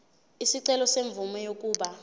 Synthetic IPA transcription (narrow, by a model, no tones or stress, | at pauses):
isiǀɛlɔseɱvumɔjok̬ʼuːɓa